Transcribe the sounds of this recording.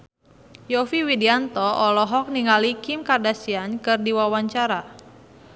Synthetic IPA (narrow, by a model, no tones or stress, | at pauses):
jɔfiwidiant̪ɔɔlɔɦɔk̚niŋalikimkardasiankɨrdiwawaɲt͡ʃaɾa